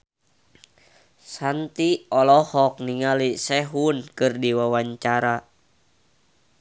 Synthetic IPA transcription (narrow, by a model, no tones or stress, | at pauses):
sant̪iɔlɔhɔk̚niŋalisɛɦunkɨrdiwawaɲt͡ʃaɾa